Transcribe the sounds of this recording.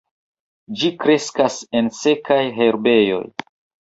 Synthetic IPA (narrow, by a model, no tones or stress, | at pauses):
d͡ʒikɾe̞skase̞nse̞kajɦe̞ɾbe̞jo̞̰j